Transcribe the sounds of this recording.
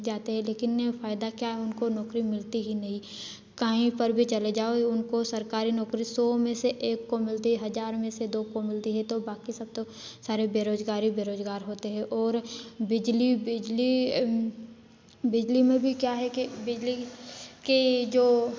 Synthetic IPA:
d͡ʒaːt̪eɦɛ̃leːkɪnfaːɪd̪akjaɦɛʊnkonɔːkɾimɪlt̪iɦinɐɦĩ | kaːɦĩpɐɾbʱit͡ʃɐled͡ʒaːoeʊnkosɐɾkaːɾinɔːkɾisɔːmẽseʔeːkːomɪlt̪iɦɐd͡ʒaːɾmẽsed̪oːkomɪlt̪iɦɛ̃t̪obaːkisɐb̚t̪o | saːɾebeːɾoːzɡaːɾibeːɾoːzɡaːɾɦoːt̪eɦɛ̃ʔɔːɾbɪd͡ʒlibɪd͡ʒli | bɪd͡ʒlimẽbʱikjaɦɛkibɪd͡ʒliked͡ʒoː

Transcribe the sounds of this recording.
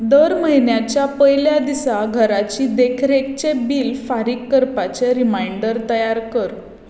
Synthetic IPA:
d̪əɾməɦjnjat͡ɕjapəjljad̪isaɡʱəɾat͡ɕiːd̪ekʰɾek̚t͡ɕebiːlfaɾikːəɾpat͡ɕeɾimaiɳɖəɾt̪əjaɾkəɾ

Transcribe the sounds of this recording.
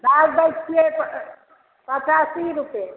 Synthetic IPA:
dalb̪əjt͡ʃt͡ʃʰiep | pət͡ʃasiɾupe

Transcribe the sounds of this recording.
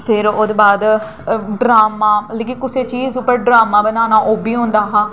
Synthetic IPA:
pʰɪɾoːd̪baːd̪ | ɖɾaːmaːleːkĩkʊseːt͡ʃiːzʊpːəɾɖɾaːmaːbənaːnaːʔoːbiːɦʊ̃nd̪aːɦãː

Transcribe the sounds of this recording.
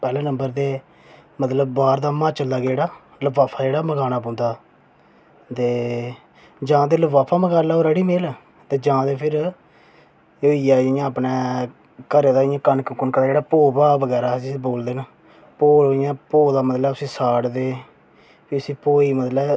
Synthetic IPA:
pɛːlɛ̃ːnə̃mbəɾd̪eː | mət̪ləbbaːɾd̪aːmaːt͡ʃəld̪aːɡeːɽaː | ləʋaːpʰaːd͡ʒeːɽaːməɡaːnaːpɔ̃ːnd̪aː | t̪eː | d͡ʒãːd̪eːləʋaːpʰaːməɡaːlaːoːɾɛːɽiːmeːl | t̪eːd͡ʒãːd̪eːpʰɪɾ | oːijaːɪjãːəpnɛː | kəɾeːd̪aːɪjãːkənkəkːənkəɾad͡ʒeːɽaːpoːbaːʋəɡɛːɾaːsiboːld̪eːnə | poːɪjãːpoːd̪aːmət̪ləsĩːsaːɽd̪eː | piʊsĩːpoːiːmət̪lə

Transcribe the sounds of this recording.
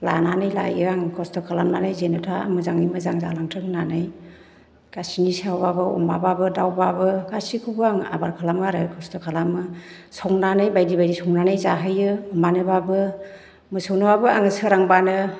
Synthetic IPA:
la̰nanɯjla̰jɯaŋkʰɔstɔkʰalamnanajzenɔtʰaa̰mɯzaŋimɯzaŋza̰laŋtʰɯŋnanaj | ɡ̥asinisawbabɯɔ̰mbababɯdawbabɯɡasikʰubɯaŋa̰baɾkʰalamɡaɾɯkʰɔstʰɔkʰalamɯsɔŋnanajbajdibajdisɔŋnanajzaɦɯjɯɔmbanɯbabɯ | mɯsɯwnɯbabɯa̰ŋɯsɯɾaŋbanɯ

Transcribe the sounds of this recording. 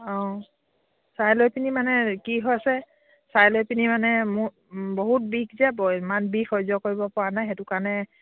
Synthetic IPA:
ɔ̃ | sajlojpinimanɛkiɦɔjasɛ | sajlɔjpinimanɛmu | boɦut̚bikzɛbmanbikɔjzɔkoɹibɔpɔwanajxɛtʊkaɹnɛ

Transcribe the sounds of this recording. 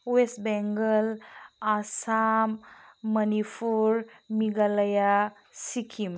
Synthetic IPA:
uwesbɛŋɡəlasamːɐnifuɾmiɡalɐja | sikʰim

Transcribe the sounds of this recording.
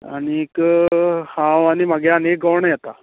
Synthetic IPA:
a̰ɽ̃ik | hãwaɽimaɡjɛənek̚ɡəwɳjɛt̪a

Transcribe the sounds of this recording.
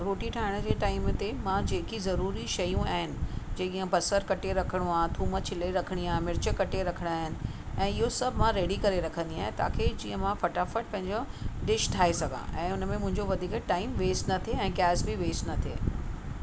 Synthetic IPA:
ɾoːʈiʈʰaːɦɪɽ̃d͡ʑeːʈaːɪmt̪emãd͡ʑeːkizɐɾuːɾiʃɐjũaːɦɪnɪ̆d͡ʑeːɠiːə̃bɐsəɾkɐʈeɾɐkʰəɽ̃uaːɦt̪ʰuːmət͡ɕʰɪleɾɐkʰəɽ̃iaːɦɪ̃mɪɾɪt͡ɕəkɐʈeɾɐkʰəɽ̃aːɦɪnɪ̆ | ɛ̃ːɪɦosɐbʱmãɾeːɽikɐɾeɾɐkʰə̃nd̪iaːɦɪ̃t̪a̰ːkʰed͡ʑiːə̃mãfɐʈaːfəʈ̚pɐ̃ɦɪ̃ɲd͡ʑoɖɪʃʈʰaːesɐɡʱã̰ʔɛ̃ːʊnmẽmʊ̃ɦɪ̃ɲd͡ʑoʋɐd̪ʱiːkʈaːɪmʋeːsʈnɐt̪ʰeɛ̃ːɡɛːsbɪʋeːsʈnɐt̪ʰḛː

